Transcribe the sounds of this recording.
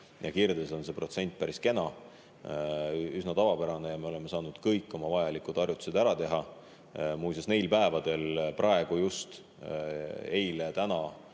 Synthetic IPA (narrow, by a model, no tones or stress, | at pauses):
jʔɑkird̪eso̞nse̞pro̞t̪se̞nʲt̪̚ːˑpæɾiske̞nɑ | ysnɑt̪ɑvɑpæɾɑne̞jɑme̞o̞le̞me̞sɑːnud̪̥kɤjkːˑo̞mɑvɑjɑlikud̪̥ɑrjut̪u̥se̞d̪̥æɾɑt̪e̞ɦɑ | mujsesne̞jlpæevɑd̪̥e̞lprʔɑe̞ɡ̥ujust̪ | e̞jlet̪ænɑ